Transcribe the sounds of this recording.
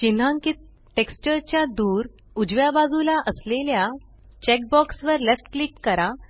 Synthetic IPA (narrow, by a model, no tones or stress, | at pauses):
t͡ɕin̤ãŋki | ʈekst͡ɕəɾt͡ɕjad̪uːɾ | ud͡ʑʋjabad͡zulaʔəslelja | t͡ɕɛk̚bɔksʋəɾlefʈklikkəɾa